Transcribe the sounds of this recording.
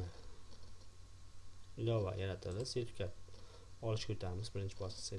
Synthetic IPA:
ɪlɒva̰jaɾat̪ʰɪld̪ɪset̪kʲʰat̪̚ | ɒlɪʃkʰɵt̪ʰaɾmɪzbɪɾɪnt͡ʃʰɪbɒslɪ̥se

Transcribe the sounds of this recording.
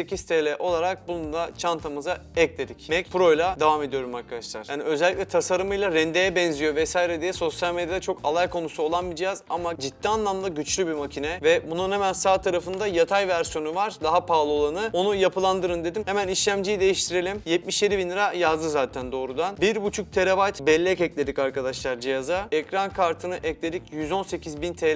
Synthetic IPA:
ecist̪ʰelʲɛʔo̞lˠaɾak̚bunund̪ˠat͡ʃʰant̪ʰamɯzaɛc̚lʲe̞d̪icmɛcpʰuɾo̞jlˠad̪avame̞d̪ijo̞ɾumaɾkʰad̪aʃlˠa̰ɾ̥jaːniø̞zɛlʲːiclʲɛt̪ʰasaɾɯmɯjlˠaɾɛnd̪ejɛbɛnzijo̞vɛsaːjiɾed̪ijɛso̞sjalʲme̞d̪jad̪at͡ʃʰo̞kʰalˠajkʰo̞nusuo̞lˠanbid͡ʒjazamad͡ʒit̪ːianlˠamd̪ˠaɟyt͡ʃlʲybimacʰinɛvɛbununhemænsaːt̪ʰaɾafɯnd̪ajat̪ʰajvæɾsjo̞nuvaɾ̥d̪aɦapʰaːlˠɯo̞lˠanɯo̞nujapʰɯlˠand̪ɯɾɯnd̪e̞d̪imhemæniʃlʲæmd͡ʒijid̪e̞jiʃt̪ʰiɾe̞lʲimjɛt̪̚miʃje̞d̪ibinɯɾajazd̪ɯzaːt̪ʰænd̪o̞ːɾud̪anbiɾbut͡ʃʰuk̚t̪ʰe̞lʲevajt̪bɛlʲːɛcɛclʲe̞d̪icaɾkad̪aʃlˠaɾd͡ʒijazaɛkɾankʰaɾt̪ʰɯnɯʔɛclʲe̞d̪icjyzo̞nse̞cʰizbint̪ʰe

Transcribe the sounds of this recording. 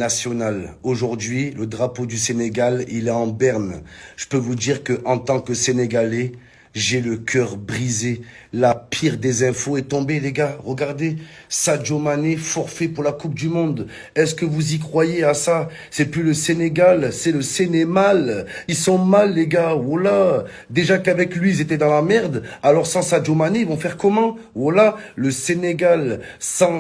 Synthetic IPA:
asjɔnaloʒuʁd̪ɥiləd̪ʁapod̪yseneɡalḭlɛɑ̃bɛʁnʒ̥ə̥pøvud̪iʁkəʔɑ̃t̪ɑ̃kəseneɡale | ʒeləkʰʲœʁbʁize | lapʰiʁd̪ezɛ̃foɛt̪ɔ̃beleɡaʁəɡaʁd̪esad͡ʒomanefɔʁfɛpuʁlakup̚d̪ymɔ̃d̪ | ɛskəvuzikχwajeasa | sɛplyləseneɡalsɛləsenemalilsɔ̃malːeɡaala | d̪eʒakavɛklɥiilzet̪ɛd̪ɑ̃lamɛʁd̪alɔʁsɑ̃sad͡ʒomaneivɔ̃fɛʁkɔmɑ̃alaːəseneɡalsɑ̃

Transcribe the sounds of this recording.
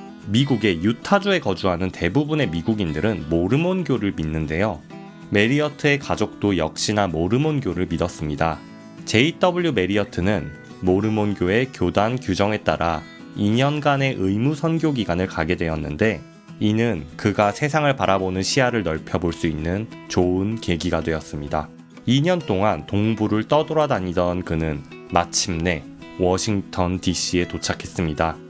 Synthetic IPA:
miɡuɡe̞jutʰad͡ʑue̞kʌd͡ʑuɦanɯnte̞bubune̞miɡuɡindɯɾɯnmoɾɯmonɡjoɾɯɭminːɯnde̞jo | me̞ɾiʌtʰɯe̞kad͡ʑok̚t͈ojʌ̰k̚ɕ͈inamoɾɯmonɡjoɾɯɭmidʌs͈ɯmɲida | t͡ɕe̞it͈ʌbuɭjume̞ɾiʌtʰɯnɯn | moɾɯmonɡjoe̞kjodankjud͡ʑʌŋe̞t͈a̰ɾʔa | iɲʌnɡane̞ʔɯimusʰʌnɡjoɡiɡanɯɭkaɡe̞dwe̞jʌnːɯnde̞ | inɯnkɯɡasʰe̞sʰaŋɯɭpaɾabonɯnɕʰiaɾɯɭnʌɭpʰjʌboɭs͈uinːɯnt͡ɕoɯnke̞ɡiɡadwe̞jʌs͈ɯmɲida | iɲʌnt͈oŋantoŋbuɾɯɭt͈ʌduɾʌdaɲidʌnkɯnɯn | mat͡ɕʰimne̞ | wʌɕʰiŋtʰʌndiɕ͈ie̞tot͡ɕʰakʰe̞s͈ɯmɲida

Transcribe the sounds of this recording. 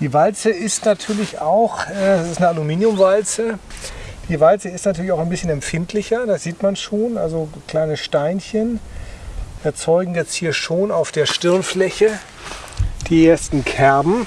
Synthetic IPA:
d̥iːvalt͡səɪstnatʰyːɐlɪçaʊxʔɛːdasɪstnəalumiːnjʊmvalt͡sə | d̥iːvalt͡səɪstnatʰyːɐlɪçaʊxaɪnbɪsçənɛmfɪntʰlɪçɐdasz̥iːtmanʃoːnʔa̰lzokl̥aɪnəʃtaɪnçən | ʔɛɐt͡sɔʏɡŋ̩jɛt͡sthiːɐʃoːnaʊfd̥eːɐʃtɪɐnflɛçə | d̥iːʔeːɐstn̩kʰɛɐbm̩

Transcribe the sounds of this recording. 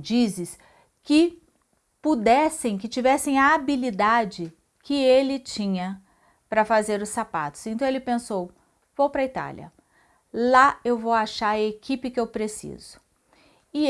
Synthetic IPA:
d͡ʒizɪs | kɪ | pud̪ɛsẽj̃kɪt͡ʃivɛsẽj̃ɐabilid̪ad͡ʒɪ | kɪelɪt͡ʃĩɲɐ | pɾɐfazeɾʊsːapa̰t̪ʊ̥sẽnt̪ɐ̃w̃elɪpẽsow | vowpɾɐit̪a̰ljɐ̰ | laewvowaʃaɾɐekipɪkɪewpɾesḭzʊ̥ | ɪ

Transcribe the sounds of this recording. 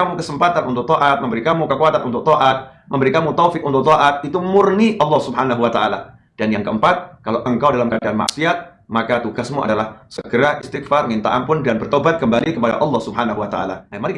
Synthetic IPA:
amukəsəmpat̪anʔunt̪ʊk̚t̪oʔat̪̚məmbəɾikamukəkuat̪anʔunt̪ʊk̚t̪ɔʔat̪̚məmbəɾikamut̪ofɪk̚unt̪ʊk̚t̪ɔʔat̪̚it̪umʊrniʔɑlːɑhsubɦanaɦuwat̪aʔa̰la̰ | d̥anjaŋkəʔəmpat̪̚kalaʔəŋkawdalamkadanma̰ʔsiat̪̚ | makat̪uɡasmua̰dalahsəɡəɾaʔɪst̪ɪk̚farŋint̪a̰ʔa̰mpʊndanbərt̪obat̪̚kəmbalikəpada̰ʔɑlːɑhsubɦanaɦuwat̪a̰ʔa̰la̰amaɾɪ

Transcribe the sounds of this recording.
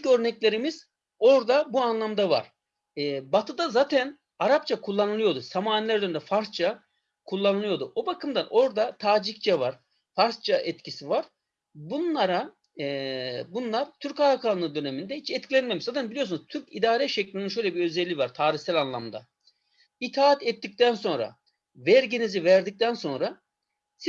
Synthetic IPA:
icø̞ɾnɛclʲe̞ɾimiz̥ | o̞ɾd̪abuanlˠamd̪ava̰ɾ̥ | ɛːbat̪ʰɯd̪azaːt̪ʰæn | aɾap̚t͡ʃʰakʰulˠːanɯlˠɯjo̞d̪usamaːnilʲæɾd̪ønd̪ɛfaɾst͡ʃʰa | kʰulˠːanɯlˠɯjo̞d̪uʔobakɯmd̪ano̞ɾd̪at̪ʰaːd͡ʒikt͡ʃʰɛvaɾ̥ | faɾst͡ʃʰaʔɛt̪cʰisivaɾ̥ | bunlˠaɾa | bunlˠaɾt̪ʰyɾkaɾakʰalˠɯnɯnd̪ø̞nemind̪ɛhit͡ʃɛt̪̚cʰʲilʲɛnmemizad̪aɯnbilʲiosunuzt̪ʰyɾcid̪aːɾɛʃɛclʲininʃø̞jlʲɛbiø̞zɛlʲːivaɾt̪ʰaːɾiçsælʲanlˠa̰md̪a | it̪ʰaːt̪ɛt̪ːic̚t̪ænso̞nɾa̰ | vɛɾɟinizivɛɾd̪ic̚t̪ʰænso̞nɾa | si

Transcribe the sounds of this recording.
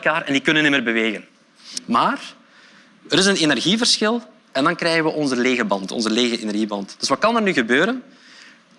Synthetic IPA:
lˠkaːɾɛndikɵnənɪmərbəʋeːɣən | maːr | əɾɪsənenɛrɣivərsxɪlˠ | ɛndɑnkrɛːɣənʋəʔɔnzəleːɣəbɑntɔ̰nzəleːɣəʔenɛrɣibɑntd̥ɵsʋɑtkɑnərnyɣəbøːɾən

